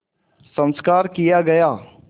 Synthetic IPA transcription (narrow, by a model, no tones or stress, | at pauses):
sə̃nskaːɾkijaɡɐjaː